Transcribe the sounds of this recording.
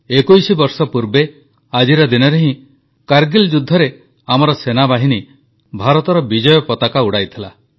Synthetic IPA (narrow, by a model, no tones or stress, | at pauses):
ekujsibɔɾsɔpuɾbe | ad͡ʒiɾɔd̪inɔɾeɦĩ | kaɾɡild͡ʒud̪ʱːɔɾe | amɔɾɔsenabaɦini | bʱaɾɔt̪ɔɾɔbid͡ʒɔjɔpɔt̪akauɽajt̪ʰila